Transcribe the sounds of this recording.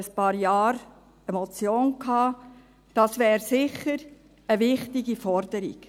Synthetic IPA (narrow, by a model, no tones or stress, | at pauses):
əspɑːɾjɑːɾ | ɛmɔt͡sjoːnkʰhɑː | d̥ɑsʋæːɾsɪχəɾ | əvɪχtiɡifɔrd̥əɾḭk